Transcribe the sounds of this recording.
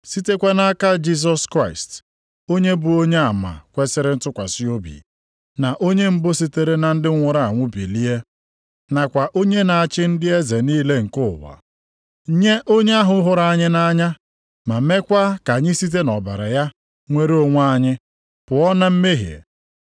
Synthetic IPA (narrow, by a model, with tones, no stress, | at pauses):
si˦te˦kʷe˦na˦ka˦d͡ʒi˦s̬ɔ˦skɾa˦ɪ˨st | o˦ɲe˦bʊ˨o˦ɲe˦a˨ma̰˨kʷe˦sɪ˦ɾɪ˦n̩˦tʊ˦kʷa˨si˦o˦bḭ˨ | na˨ʔo˦ɲe˦m̩˦bo˦s̬i˦te˨ɾe˦na˨n̩˦dɪ˦ŋʷʊ˦ɾa˦˨a˨ŋʷʊ˦bḭ˨li˦e˦ | na˨kʷa˨ʔo˦ɲe˦na˨a˨t͡ʃɪ˦n̩˦dɪ˦e˦ze˨niː˦le˦ŋ̩˨kʊ˦˨wa̰˨˦ | ɲe˦ʔo˦ɲe˦a˦ɦʊ˦ɦʊ˨ɾa˨ɲɪ˦na˦ɲa˦ | ma˨˦me˦kʷa˦ka˨ɲɪ˦si˦t̬e˦nɔ˨ba̰˨ɾa˨ja˦ | ŋʷe˦ɾo˦ŋʷ˦a˦ɲɪ˦ | pʊ˨ɔ˦na˦m̩˦me˦ɦjḛ˨